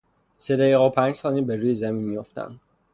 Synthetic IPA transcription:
sed̪æjiɣɒːpʰæɲd͡ʒsɒːniːbeɾuːjezæminmijoft̪ʰæ̰nd̪

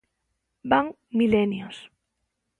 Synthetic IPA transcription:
baŋ | milenjos

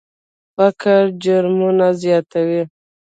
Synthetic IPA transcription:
fakaɾd͡ʒʊɾmunazjɑt̪awi

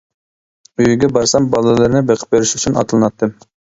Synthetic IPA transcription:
yjyɡʲɛbɑɾsɑmbɑlˠɨlˠɨɾnɨbeqʰə̥p̚beɾɪʃyt͡ʃʰynɑ̰t̪ɨlˠɨnɑt̪ːɨm

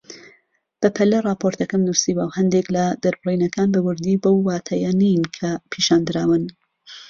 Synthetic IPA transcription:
b̥ɐpʰɐlɐrˤɑːpʰoɾt̪ɐkɐmnusiːbawhɐnd̪eklɐd̪ɐɾbɨriːnɐkaːnbɐwʊɾd̪iːbowːaːt̪ʰɐjanijnkʰɐpʰiːʃaːnd̪ɨɾaːwɨn

